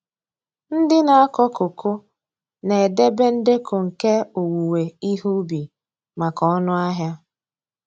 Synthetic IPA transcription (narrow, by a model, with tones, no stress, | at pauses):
n̩˦dɪ˦na˨a˦kɔ˦ko˨kʰo˦ | ne˨de˦be˦n̩˦de˦kʰo˨ŋ̩˨ke˦o˨wu˨we˨i˦ɦu˦bi˨ | ma˨kɔ˦ɔ˦nʊ˦a˦ɦja˦